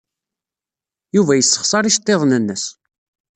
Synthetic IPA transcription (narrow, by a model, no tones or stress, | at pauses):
juvæjəsːə̥χsˤɑɾˤiʃt̪ˤːeðˤnənːəs